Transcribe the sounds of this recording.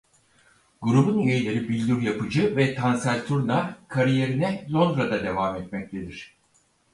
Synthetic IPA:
ɡuɾubunjelʲe̞ɾibilʲd̪yɾjapɯd͡ʒɯvɛt̪ʰansælʲt̪ʰuɾnakʰaɾije̞ɾinɛzo̞nd̪ɾad̪ad̪e̞vaːmɛt̪mɛc̚t̪ʰe̞d̪iɾ̝̥

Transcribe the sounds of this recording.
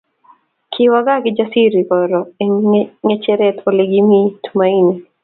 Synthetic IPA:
kʰiwaɡakid͡ʒasiɾikɔɾɔɛŋɛt͡ʃɛɾɛtɔlɛɡimitʰumaini

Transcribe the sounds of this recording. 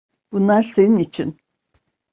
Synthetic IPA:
b̥unlˠaɾse̞ninit͡ʃʰin

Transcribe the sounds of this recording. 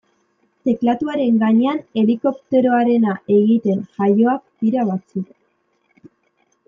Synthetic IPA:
t̪e̞klat̪uaɾe̞ŋɡaɲe̞ane̞liko̞pt̪e̞ɾo̞aɾe̞naʔe̞ɣit̪e̞nʝajo̞ak̚d̪iɾaβat͡suk

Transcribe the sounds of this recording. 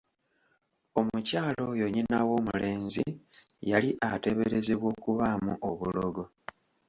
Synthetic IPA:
o̞mucaːlo̞jo̞ɲinawo̞ːmule̞ːnzḭjaliʔate̞βeɾe̞ze̞βwo̞ːkuβamuʔoβulo̞ɡo̞

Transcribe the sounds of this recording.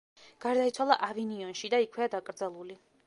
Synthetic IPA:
ɡ̥aɾd̪ait̪sʰwalˠa̰ʔaviniɔnʃid̪aikʰwɛad̪akʼɾd̪zɛlˠuli

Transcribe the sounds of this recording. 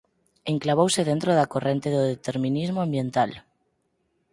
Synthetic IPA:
eŋklaβ̞owseðent̪ɾoð̞akorent̪eðoðet̪eɾmĩnizmoambjẽnt̪al

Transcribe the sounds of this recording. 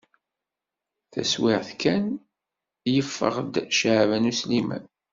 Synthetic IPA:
θæ̰swɪʁθkæn | jəfːə̰ʁd̪ʃʕvənuslimæ̰n

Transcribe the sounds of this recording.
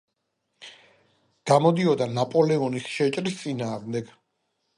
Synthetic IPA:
ɡ̥amɔd̪iɔd̪anapʼɔlɛɔnisʃɛt͡ʃʼɾist̪sʼinaːʁmd̪ɛɡ̥

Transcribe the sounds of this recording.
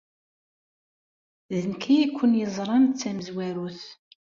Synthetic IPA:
ðənkijikʷːənjəzˤɾˤɑnt͡sːæməzwæɾuθ

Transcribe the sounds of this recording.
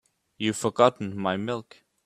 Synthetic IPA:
jɨfə˞ɡɑtn̩maɪmɪlˠk

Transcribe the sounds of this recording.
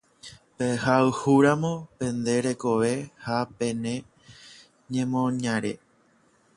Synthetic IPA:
pehaɨhuɾãmõ̞pẽ̞nd̪e̞ɾe̞ko̞ʋe̞hapẽ̞nẽ | ɲẽ̞mõɲãɾḛ

